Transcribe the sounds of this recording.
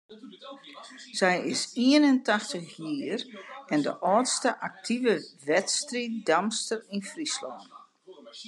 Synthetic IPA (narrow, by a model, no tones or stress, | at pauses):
sɛjɪsiənəntaxtəxjiːərɛndəʔɔːtstəʔak̚tʰivəʋɛtstridamstərinfrislɔːn